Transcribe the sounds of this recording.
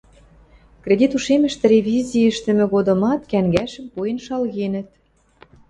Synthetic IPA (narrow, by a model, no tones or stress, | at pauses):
kred̪ʲit̪uʃemə̆ʃt̪ĕɾʲevʲizʲiə̆ʃt̪ə̆mɘ̆ɣod̪ɤ̆mɑt̪kæŋɡæʃə̆mpuenʃɑlɣenə̆t̪̚